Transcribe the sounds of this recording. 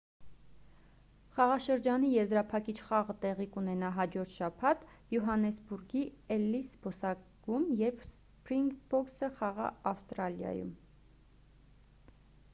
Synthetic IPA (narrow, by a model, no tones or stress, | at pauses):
χɑʁɑʃəɾd͡ʒɑnijɛzɾɑpʰɑkit͡ʃʰχɑʁət̪ɛʁikunɛnɑɦɑd͡ʒɔɾt̪ʰʃɑpʰɑt̪ | juɦɑnɛsbuɾɡiɛlːisbɔsɑɡumjɛɾpʰs | pɾiŋɡbɔksəχɑʁɑ̰ɑfst̪ɾɑljɑ̰jṵm